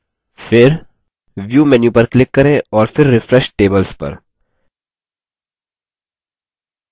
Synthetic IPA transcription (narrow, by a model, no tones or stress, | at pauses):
fɪɾ | ʋjuːmɛnjupɐɾklɪkːɐɾẽɔːɾfɪɾːɪfɾɛʃʈeːbəlspɐ̰ɾ